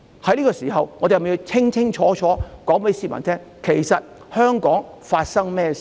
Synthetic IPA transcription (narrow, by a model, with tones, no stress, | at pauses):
hɐ˨˥jliː˥kɔ˧siː˨˩ɦɐ˨wŋɔ˨˧d̪e˨jm˨i˧wt͡sʰɪ˥ŋt͡sʰɪ˥ŋt͡ʃʰɔː˨˥t͡ʃʰɔː˨˥kɔː˨˥ŋpe˨˥jsi˧mɐ̰˨˩t̪ʰɛː˥ŋ | kʰe˨˩jsɐ˨t̚ | hœː˥ŋkɔː˨˥ŋfaː˧t̚sɐ˥ŋmɛː˥s